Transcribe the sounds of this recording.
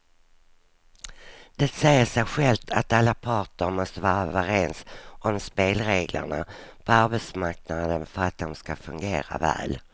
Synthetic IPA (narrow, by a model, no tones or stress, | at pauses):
d̪̥ɛt̪sɛjəʂæːɧɛlt̪ʰat̪alːapʰɑːʈəɾmɔst̪əvɑːɾavɑɾeːnsʔɔmspeːlɾeːɡlʔə̰ɳa̰pʰɔaɾbɛt̪smaɾknad̪ənfœɾat̪̚d̪ɔmskafɵŋɡeːɾa̰vɛ̰ːl